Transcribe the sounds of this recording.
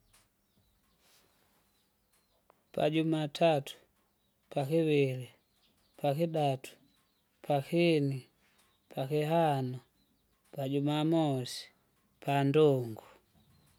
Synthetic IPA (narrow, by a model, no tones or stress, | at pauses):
pa̰ɟumatʰatu̥ | pakiβili | pʰakiɗatu̥ | pʰakini | pʰakiɦanɔ | paɟumamɔsi̥ | pʰandɔŋɡu